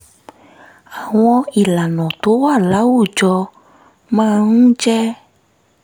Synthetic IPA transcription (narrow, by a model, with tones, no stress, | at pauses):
a˨w̃ɔ̃˦i˨la˨nɔ̃˨t̪o˨˦wa˦˨la˨˦wu˦˨d͡ʒɔ˧ | mã˦ŋũ˦d͡ʒɛ˦